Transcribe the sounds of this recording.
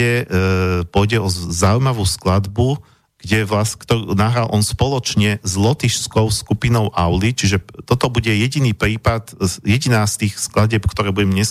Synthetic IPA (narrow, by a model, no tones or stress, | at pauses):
ɛ | pʊɔɟɛɔzaujmaʋuːsklad̪bu | ɡ̥ɟɛʋlaskt̪ɔnaɦɾalʔɔnspɔlɔt͡ʃɲɛzlɔt̪iʃskɔʊskupinɔʊʔaʊlit͡ʃiʒɛt̪ɔt̪ɔbuɟɛjɛɟiniːpɾiːpat̪jɛɟinaːst̪iːxsklaɟɛpkt̪ɔɾɛːbuɟɛmɲɛs